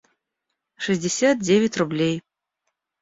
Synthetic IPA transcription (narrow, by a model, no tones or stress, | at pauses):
ʂɨzʲd͡zʲɪsʲat̪̚d͡zʲevʲɪt͡sʲrublʲej